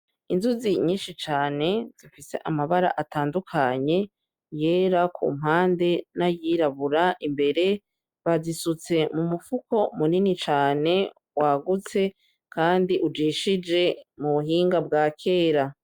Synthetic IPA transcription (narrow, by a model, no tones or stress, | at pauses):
inzuziɲiːnʃit͡ʃaːne̞z̥ifise̞̰ʔamaβaɾa̰ʔataːndukʰaɲe̞ | je̞ːɾakʰṵːm̥ɦaːnde̞najiːɾaβuɾaʔimbe̞ɾe̞ | βazisut͡se̞mumufuko̞muninit͡ʃaːne̞ | waɡut͡se̞ | kaːndiʔud͡ʒiːʃid͡ʒe̞muβuɦiːŋɡab̚ɡaːkʰe̞ːɾa